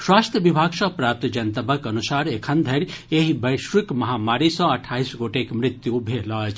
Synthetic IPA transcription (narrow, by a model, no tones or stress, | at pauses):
swaːst̪ʰjəʋibʱaːɡsɔpɾaːp̚t̪d͡ʒɐnt̪əbəkɐnusaːɾekʰənd̪ʱɐɾʲeɦibəjʃʋikmɐɦamaːɾisɔ̃ɐʈʰːaːisɡoʈekmɾɪt̪juːbʱelɔt͡ʃ